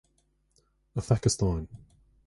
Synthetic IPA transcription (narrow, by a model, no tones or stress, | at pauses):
əfakəstãɪ̃n